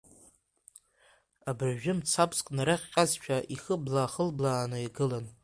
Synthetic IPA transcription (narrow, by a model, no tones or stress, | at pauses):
abʕʒɪmt͡sʰapʰʼskʼnaɾaχʲqʲʼazt͡ʃʷᶣʰaʔiχəblaːχəlblaːnɨiɡɨlan